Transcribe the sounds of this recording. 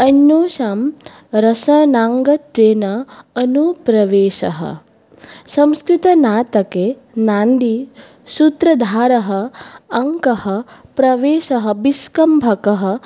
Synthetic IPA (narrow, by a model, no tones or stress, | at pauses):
ɐnːoːʃaːm | ɾɐsɐnaːŋɡɐt̪ʋeːnɐɐnupɾɐʋeːʃɐ̰ɦɐ̰ | sɐ̃mskɾit̪ɐnaːt̪ɐkeː | naːɳɖi | sut̪ɾɐd̪ʱaːɾɐɦɐ̆ɐŋkɐhɐ̆pɾɐʋeːʃɐɦɐ̆biskɐmbʱɐkɐɦɐ̆